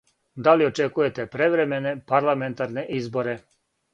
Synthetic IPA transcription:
d̪alio̞t͡ʃekujet̪epɾeʋɾemenepaɾlˠament̪aɾneʔizboɾe

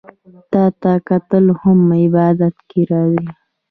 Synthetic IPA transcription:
t̪ɑt̪akat̪əlohamːɪbɑd̪at̪keɾɑwi

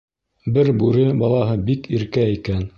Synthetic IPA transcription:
bɘɾbʉɾɘbɑlˠɑɦɤbikiɾkæikæn

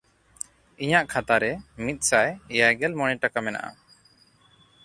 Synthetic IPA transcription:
iɲaʔkʰat̪aɾɛmit̪̚ˀsajɛjaɡɛlmɔɽ̃ɛʈakamɛna̰ʔa̰

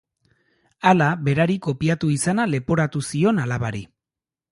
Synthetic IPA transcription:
alaβe̞ɾaɾiko̞piat̪uisanale̞poɾat̪usio̞nalaβaɾi

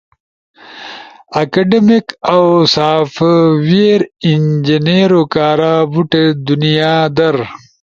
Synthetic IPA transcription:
ɐkɐɖemikawsaːfwiɾind͡ʑineɾokaːɾaːbuʈed̪unijaːd̪ɐɾ

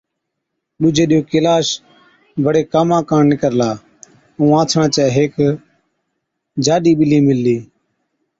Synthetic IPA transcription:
ɗʊd͡ʒʱeːɗɪjoːkɪlaːs | bʱəɽeːkaːmãːkãːɳnɪkəɾlaː | ũːãːt͡ʃʰɳãːt͡ʃɛːɦeːk | d͡ʒaːɗiːɓɪliːmɪlːiː

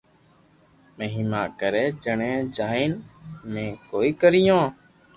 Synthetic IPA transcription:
məɦimaːkəɾeːd͡ʒəɳẽːd͡ʒaːiːnmẽːkoːiːkəɾɪjõː

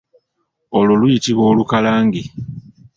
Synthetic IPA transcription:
ololujitiβwoːlukalaːŋɡi

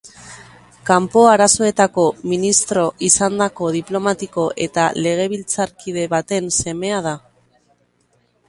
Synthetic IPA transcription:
kampo̞aɾaso̞e̞t̪ako̞minist̪ɾo̞ʔisand̪ako̞ð̞iplo̞mat̪iko̞ʔe̞t̪ale̞ɣ̞e̞β̞ilt͡saɾkiðe̞βat̪e̞nse̞me̞að̞a

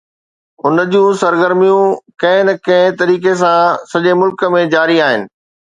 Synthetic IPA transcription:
ʊnəd͡ʑjũsɐɾɡəɾmijũkɐ̃ɦɪ̃nɐkɐ̃ɦɪ̃t̪ɐɾiːkes̬ãsɐʄemʊlkə̆mẽd͡ʑaːɾiaːɦɪnɪ̆

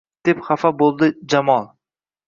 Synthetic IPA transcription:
d̪̥epχafabolˠd̪ɪd͡ʒamɒlˠ

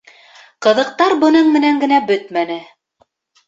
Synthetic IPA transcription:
qɤ̆ðɤ̆q̚t̪ɑɾbɤ̆nɤɴmɘ̆næŋɡɘ̆næbɵt̪mænɘ

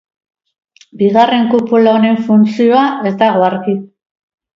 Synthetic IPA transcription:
biɣ̞are̞ŋkupulaoɾe̞ɱfunt͡sio̞aʔe̞zt̪aɣoaɾki

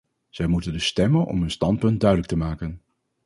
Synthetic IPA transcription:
z̥ɛjmutəndəstɛmənʔɔ̰mɦɵnstɑnt̚pɵnt̚dœɥdələk̚təmaːkən

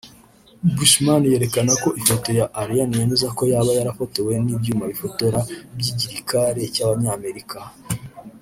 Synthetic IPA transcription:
buʃmanje̞ɾe̞kanako̞ʔifo̞to̞jaʔːɾijanije̞mezako̞jaːβajaɾafo̞te̞we̞nibjuːmaβifo̞to̞ɾabjiɟiɾikaɾe̞caβaɲaːme̞ɾika

